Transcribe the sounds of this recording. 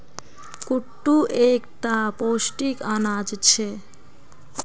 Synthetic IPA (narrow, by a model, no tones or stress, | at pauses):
kuʈːuʔekt̪apoʃʈikanad͡ʑt͡ɕʰe